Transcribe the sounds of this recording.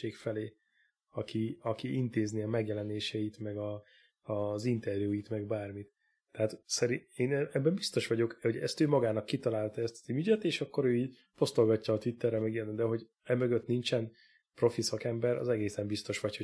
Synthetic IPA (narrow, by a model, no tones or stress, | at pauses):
eːkfɛleː | ɒkiɒkiʔint̪eːzniɒmɛɡjɛlɛneːʃɛjit̪mɛɡɒ | ɒzint̪ɛrjujit̪mɛɡbaːrmit̪ː | ɛɦat̪sɛɾieːnɛɛbːɛmbist̪o̞ʃʋɒɟo̞khoɟɛ̰st̪øːmɒɡaːnɒkːit̪ɒlaːlt̪ɒɛst̪ɒ̥zimyɟɛt̪eːʃɒkːo̞ɾøːiːɟ | po̞st̪olɡɒcːɒːt̪ʋit̪ːɛrːɛmɛɡijɛɛnd̪ɛɦo̞ɟ | ɛmøɡøt̪nint͡ʃɛn | pro̞fisɒkɛmbɛɾɒ̰zɛɡeːsɛmbist̪o̞ʃʋɒcho